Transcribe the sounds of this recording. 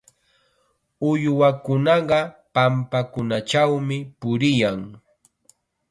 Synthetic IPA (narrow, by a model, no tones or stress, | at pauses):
ʊjwakʊnɑɢɑpampakʊnat͡ʃawmɪpʊɾɪjaŋ